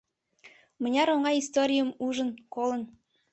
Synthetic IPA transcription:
mə̆nʲɑɾoŋɑjist̪oɾʲijəmuʒə̆nkolˠə̆n

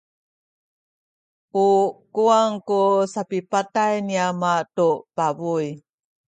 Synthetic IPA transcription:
ukuaŋkusapipatajniamatupabuj

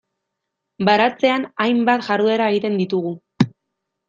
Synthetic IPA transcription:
baɾat͡se̞anajmbat̪ʝarðue̞ɾae̞ɣit̪e̞nd̪it̪uɣu

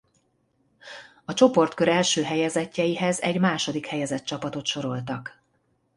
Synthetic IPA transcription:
ɒt͡ʃo̞po̞rt̪køɾɛlʃøːɦɛjɛzɛcːɛjiɦɛzɛɟmaːʃo̞d̪ikhɛjɛzɛt̪t͡ʃɒpɒt̪o̞t̪ʃo̞ɾo̞lt̪ɒk

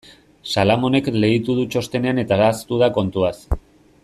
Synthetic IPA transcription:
salamo̞ne̞kle̞ɣit̪uð̞ut͡ʃo̞st̪e̞neane̞t̪aðast̪uðako̞nt̪uas

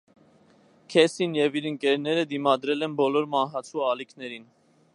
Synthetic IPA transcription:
kʰɛsinjɛviɾəŋkɛɾnɛɾəd̪imɑd̪ɾɛlɛnbɔlɔɾmɑnɦɑt͡sʰuɑlikʰnɛɾin

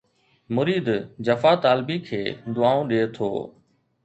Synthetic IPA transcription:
mʊɾiːd̪d͡ʒəfaːt̪aːlbiːkʰeːd̪ʊaːõːɗeːt̪ʰo̰ː

